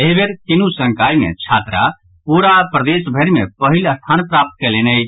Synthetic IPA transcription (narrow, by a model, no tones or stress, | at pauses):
eɦbeɾk̪ɪnusə̃ŋkaːimḛ̃t͡ʃʰaːt̪ɾa̰ | puːɾapɾəd̪eːsbʱeɾimẽpəɦɪləst̪ʰaːnpɾaːp̚t̪̚kɛleːnəj